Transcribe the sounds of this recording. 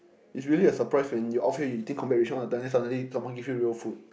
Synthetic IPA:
isɹiəliəsəpɹaɪswɛ̃njuʔɔfijutĩŋkʰɔ̃mpɛɹeʃɔ̃nɔ̃ndədãnɛ̃nsadə̃nlisãmwɔ̃nɡifjuɹiəlfut̚

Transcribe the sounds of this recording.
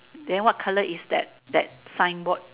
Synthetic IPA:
dɛ̃nwɔt̚kʰaləʔisdɛ̰t̚dɛt̚sãj̃nbɔt̚

